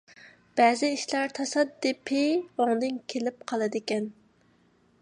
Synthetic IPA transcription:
b̥ɛːzɪiʃlˠɑɾt̪ʰɑsɑd̪ːɪpʰɪoŋd̪ɨnkʲʰelɪp̚qʰɑlˠɨd̪ɪkʲɛn

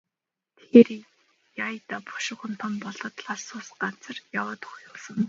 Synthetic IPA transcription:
t̪ʰeːr | jajt̪apɔ̥ʃɪ̆χə̆n̥t̪ʰɔmpɔɮɞ̆t̪ɮaɮsʊːsɢat͡sə̆rjawaːt̪ʊ̥χjʊːsə̆ŋ

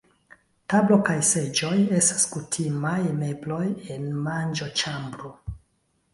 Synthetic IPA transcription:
tablo̞kajse̞d͡ʒo̞je̞stḁskutʰimajme̞blo̞je̞nmand͡ʒo̞t͡ʃambɾo

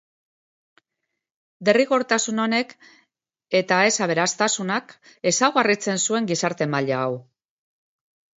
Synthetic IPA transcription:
d̪e̞riɣo̞ɾt̪asuno̞ne̞k | e̞t̪ae̞saβ̞e̞ɾast̪asunak | e̞sawɣarit͡se̞nsue̞ŋɡisaɾt̪e̞maʎaːw

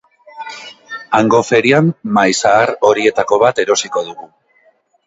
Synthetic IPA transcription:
aŋɡo̞fe̞ɾiammajsaːɾo̞ɾie̞t̪ako̞β̞at̪e̞ɾo̞siko̞ðuɣu

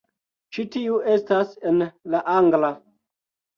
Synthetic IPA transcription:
t͡ʃitiue̞stasenlaʔaŋɡla

